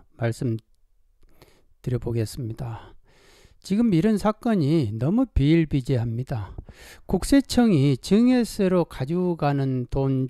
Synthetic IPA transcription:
maɭs͈ɯm | tɯɾjʌboɡe̞s͈ɯmɲida | t͡ɕiɡɯmiɾʌnsʰak͈ʌɲinʌmupiiɭbid͡ʑiɦamɲidakuk̚s͈e̞t͡ɕʰʌŋit͡ɕɯŋeseɾokad͡ʑuɡanɯnton

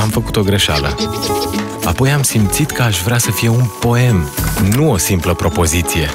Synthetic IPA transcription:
amfəkut̪o̞ɡɾe̞ʃa̰lə̰ | a̰po̞jamsimt̪sit̪kəaʃvɾeasəfije̞unpo̞e̞mnuo̞simpləpɾo̞po̞zit̪sije̞

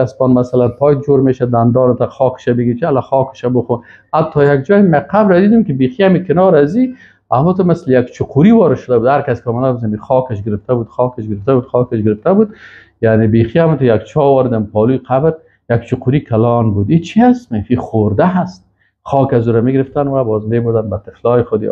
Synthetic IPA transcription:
aspɔnmasalanpɔjt̪̚d͡ʒoɾmeʃad̪and̪ɔnɪt̪axɔkɪ̥ʃamɪɡiɾt͡ʃalaxɔkɪ̥ʃabʊxun | hat̪ʰːɔjaɡd͡ʒɔjmaqʰabɾad̪id̪ʊmkɪbexiamikɪnɔɾazi | amut̪ʊmɪslɪjakt͡ʃʰʊqʰuɾiwɔɾɪʃʊd̪abud̪haɾkaskɪɔmanabzamixɔkɪʃɡɪɾɪft̪abud̪xɔkɪʃɡɪɾɪft̪abud̪xɔkɪʃɡɪɾɪft̪abud̪̚ | janebexiamut̪jak̚t͡ʃʰɔwɔɾɪd̪ampɔlujqabɾ | jak̚t͡ʃuquɾikʰalɔnbud̪it͡ʃʰiasmefiχoɾd̪aɦast̪̚ | xɔkazuɾamiɡɪɾɪft̪anwabɔzmebud̪anbat̪ɪflɔjɪxʊd̪̰

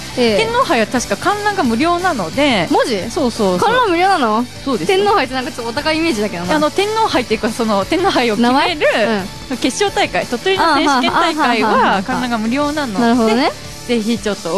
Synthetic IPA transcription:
eẽ̞nːoːɦaiβat̪aɕi̥kakãnɾãŋɡamɯ̟ɾʲo̞ːnano̞d̪e̞mod͡ʑiso̞ːsoːkãɾãŋɡmɯ̟ɾʲo̞ːnãnːoaso̞ːd̪et̪ẽnːoːhait̪enãŋkat͡ɕot̪ːot̪akaiːme̞ːd͡ʑid̪ake̞nanano̞t̪ẽ̞nːo̞ːhait̪ːeikaso̞no̞t̪ẽ̞nːo̞ːɦaionaeɾɯ̟ɯ̃sooke̞ɕo̞ːt̪aikait̪ot̪ːoɾʲinoẽkeaikaiβakãɾãŋɡamɯ̟ɾʲo̞ːnãnoaɾɯod̪eone | ze̞çit͡ɕo̞t̪ːo

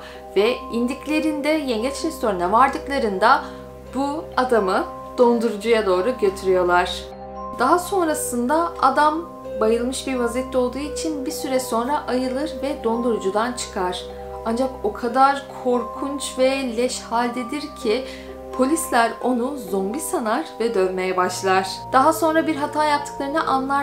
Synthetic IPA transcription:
vɛind̪iclʲe̞ɾind̪ɛjɛɲɟɛt͡ʃɾɛst̪ʰo̞ɾnɛvaɾd̪ɯklˠaɾɯnd̪a | buad̪amɯ | d̪̥o̞nd̪uɾud͡ʒujad̪o̞ːɾuɟø̞t̪ʰyɾyjo̞lˠaɾ̥ | d̪aɦaso̞nɾasɯnd̪aad̪am | bajɯlˠmɯʃbiɾvazɛt̪ʰːo̞lˠd̪uːit͡ʃʰinbiɾsyɾɛso̞nɾaʔajɯlˠɯɾvɛd̪o̞nd̪uɾud͡ʒud̪ant͡ʃʰɯ̥kʰaɾ̥ | and͡ʒako̞kʰad̪aɾkʰo̞ɾkʰunt͡ʃvɛlʲɛʃhalʲd̪ed̪iɾcʰi | pʰo̞lʲislʲæɾo̞nuzo̞mbisanaɾvɛd̪ønmejɛbaʃlˠaɾ̥d̪̥aɦaso̞nɾabiɾɦat̪ʰaːjap̚t̪ʰɯ̥klˠaɾɯnɯʔanlˠa

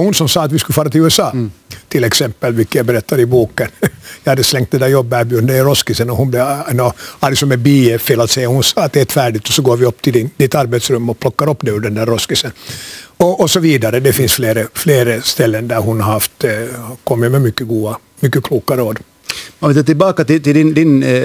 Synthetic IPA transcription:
hʊnsɔmsɑːt̪vɪskʉlfɑːɾat̪ʰɪlʉːɛsɑːt̪ʰɪlɛksɛmpːəlvɪlkːəjabɛɾɛt̪ːaɾɪbuːkənjɑjhad̪ːəslɛŋkt̪d̪ɛnd̪æːɾjɔbːæbyːd̪əɾɔskɪsənɔhʊnblɛnɔhaɾlɪksɔmːɛbiːɛfeːlat̪sɛjːahʊnsɑːat̪̚d̪ɛt̪fæːɖɪt̪ɔsɔɡoːɾvɪɔpːt̪ʰɪd̪ɪt̪ːaɾbɛt̪sɾɵmːɔpʰlɔkːaɾɔpːd̪ɛʉɖ̪ɛnd̪æɾːɔskɪsənɔʔːsɔviːd̪aɾəd̪ɛfɪnsfleːɾəfleːɾəst̪ɛlːənd̪æɾɦʊnhaɾhaft̪kʰɔmːɪmɛmʏkːəɡuːa | mʏkːəkʰluːkaɾəoːd̪ | manvɪlɑːt̪ɪlbɑːkat̪ɪt̪ɪld̪ɪnd̪ɪn

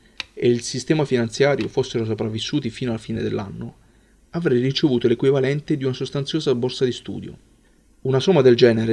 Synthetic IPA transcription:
eilsist̪ɛːmafinant̪sjaːɾjofosːeɾos̬opɾavːisːuːt̪ifiːnoalafiːned̪elːa̰nːo | avɾɛjrit͡ʃevuːt̪olekwivalɛnt̪ed̪iunasost̪ant̪sjoːzabːorsad̪ist̪ṵːd̪jo̰ | unasomːad̪eld͡ʒɛːneɾe

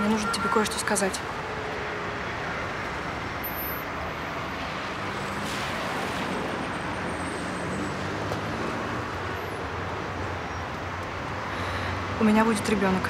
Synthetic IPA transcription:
nʲenuʐnətʲɪbʲekojɪʂt̪oskɐzatʲ | ʊmʲɪnʲabudʲɪt̪ɾʲɪbʲo̞nək

